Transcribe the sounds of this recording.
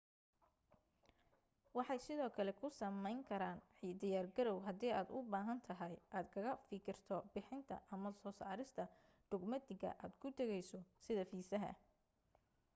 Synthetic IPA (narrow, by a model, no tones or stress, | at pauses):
wɑħɑjsɪðɔːkʰɐlɛkʰʊsɐmɛjŋkʰɐɾaːnħiːd̪ɪjaːrɡɐɾɔwɦɐd̪iːaːd̪ʊbaːɦɐnt̪ʰɐɦɐjʔaːd̪kʰɐɣɐfɪkʰɪrt̪ʰɔbɪħɪnt̪ʰɐ̰ʔɐmɐsɔːsaːɾɪst̪ʰɐ | ɖ̥ʊɡmɐd̪ɪɡɐ̰ʔaːd̪kʰʊt̪ʰɛɣɛjsɔsɪðɐfiːsɐɦɐ̰